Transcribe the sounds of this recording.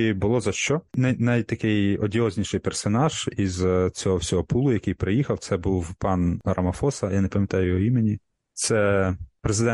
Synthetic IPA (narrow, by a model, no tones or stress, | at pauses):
bʊlˠɔzɐʃt͡ʃɔnɐjnɐjt̪ɐkɪjɔdʲiɔzʲnʲiʃɪjpersɔnɑʒ̥izt͡sʲɔɦɔwsʲɔɦɔpulˠʊjɐkɪjpɾɪjixɐwt̪sɛbuwpɑnɾʔɐmɐfɔsɐjanepɐmʲjɐt̪ɑjʊjɔimenʲi | t̪sɛpɾezɪd̪ɛ